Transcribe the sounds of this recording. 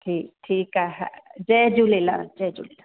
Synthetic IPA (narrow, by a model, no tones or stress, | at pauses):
ʈʰiːk̚ʈʰiːkaɦd͡ʒɛd͡ʒulela̰d͡ʒɛd͡ʒṵlela